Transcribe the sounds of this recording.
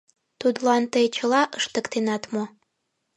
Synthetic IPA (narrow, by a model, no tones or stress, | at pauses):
t̪ud̪lɑnt̪əjt͡ɕə̆lɑʔəʃt̪əkt̪enɑt̪mo